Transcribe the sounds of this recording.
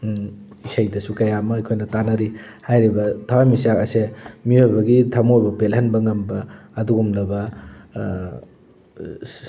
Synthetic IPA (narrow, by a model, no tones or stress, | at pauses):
isajdɐsukɐjamɐjkʰojnɐtanɐɾihajɾibɐtʰawamisakɐsemiojbɐɡitʰɐmojbɐpelɦɐnbɐŋɐmbɐːduɡumlɐbɐ